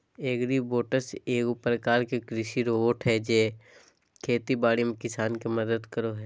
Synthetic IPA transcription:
eːɡɾiboːʈəseːkupəɾkaːɾkekɾɪʃiɾoːʈʰɦɛd͡ʒeː | kʰeːt̪ibaːɽimẽkɪsaːnkiməd̪əd̪kəɾoɦɛː

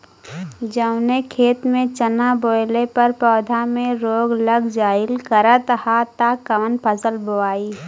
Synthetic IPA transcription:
d͡ʒəʊnekʰeːt̪mẽt͡ʃənaboːɪlepɐɾpɔːd̪ʱamẽɾoːɡləɡd͡ʒaːɪlkəɾət̪hat̪akəʋənpʰəsəlboaːiː

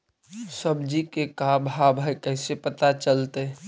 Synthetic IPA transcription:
səbd͡ʒikekabʱɦabʱajkəɦsepət̪at͡ʃəlt̪e

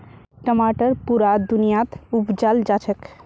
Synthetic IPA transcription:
ʈəmaʈəɾpuɾad̪unijat̪upd͡ʒald͡ʒat͡ʃʰək

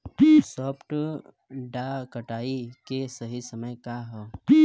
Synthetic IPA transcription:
sɔːpʰʈ | ɖakəʈaːikesəɦisəməjkaɦɛː

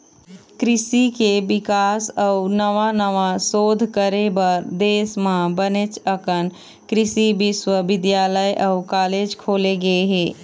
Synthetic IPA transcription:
kɾɪsikebɪkaːsəunəʋanəʋasoːd̪ʱkəɾebəɾd̪eːsmãbənet͡ʃəkən | kɾɪsibɪswəbɪd̪jaːləjʔəukaːleːd͡ʒkʰoːleɡəeɦeː

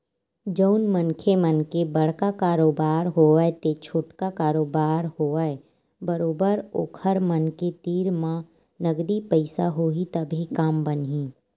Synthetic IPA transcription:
d͡ʒəʊnmənkʰemənkebɐɽ̤kakaːɾoːbaːɾɦoːaet̪et͡ʃʰoːʈkakaːɾoːbaːɾhoːae | bɐɾoːbəɾo̰ːkʰəɾmənket̪iːɾmã | nəɡd̪ipəɪsaɦoit̪ɐbʱikaːmbənɦĩː

